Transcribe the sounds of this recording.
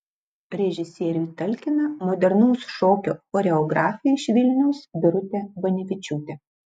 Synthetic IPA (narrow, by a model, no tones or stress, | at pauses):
ɾʲɛʒʲɪsʲiɛɾʲuːt̪ɐlʲkʲɪnɐmɔd̪ʲɛɾnuʊsʃoːkʲoːɔɾʲɛɔɡɾɑːfʲɪjɛɪʃʋʲɪlʲnʲɛʊsbʲɪɾʊt̪ʲɛbɐnʲɪfʲɪt͡ʃʲuːt̪ʲɛ